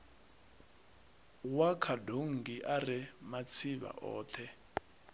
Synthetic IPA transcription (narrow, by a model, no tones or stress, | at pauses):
wakʰadoŋ̩ɡiʔaɾɛmat͡sʰiβa̰ʔɔ̰ːt̪ʰɛ